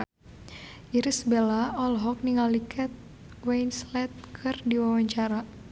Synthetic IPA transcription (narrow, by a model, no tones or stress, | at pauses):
ʔiɾisbelaɔlɦɔk̚niŋalikʰat̪̚ | wejnslɛt̪̚kʰɨrdiwawaɲt͡ʃaɾa